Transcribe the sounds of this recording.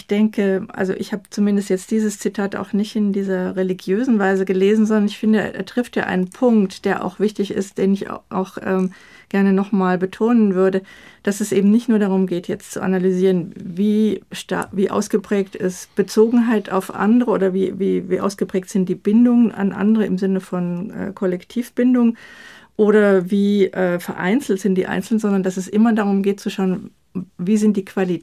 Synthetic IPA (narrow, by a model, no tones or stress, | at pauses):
ɪçd̥ɛŋkəʔa̰lzo̰ʔɪçhaːbət͡sumɪndəstjɛt͡st̚d̥iːzəst͡sitʰaːta̰ʊxnɪçtɪndiːzɐʁeliɡjøːzn̩vaɪzəɡəleːzn̩zɔndɐnɪçfɪndə̰ʔɛ̰ɐtʁ̥ɪftja̰ːʔa̰ɪnənpʰʊŋktd̥eːɐʔa̰ʊxv̥ɪçtɪçɪ̰st̚d̥eːnɪç̰ʔa̰ʊxʔɛːm | ɡ̥ɛɐnənɔχmaːlbətʰoːnənvʏɐdəd̥asɛsʔeːbm̩nɪçtnuːɐdaʁ̞ʊmɡeːtjɛt͡stt͡suʔa̰nalyziːʁ̞ənviːʃta̰viːʔa̰ʊsɡ̥əpʁ̥ɛːktɪstb̥ət͡soːɡŋ̩ɦaɪtʰa̰ʊfʔa̰ndəʁəʔoːdɐviːviːviːʔa̰ʊsɡ̥əpʁ̥ɛːk̚tz̥ɪnt̚d̥iːb̥ɪndʊŋəna̰nʔa̰ndəʁəɪmzɪnəfɔnʔɛ̰ːkʰɔlɛktʰiːfb̥ɪndʊŋ | ʔoːɾɐviːʔɛːfɛɐʔa̰ɪnt͡sl̩tz̥ɪntd̥iːʔa̰ɪnt͡sl̩ntz̥ɔndɐndasɛsʔɪmɐdaʁ̞ʊmɡeːt̚t͡suʃaʊən | viːzɪntd̥iːkv̥ali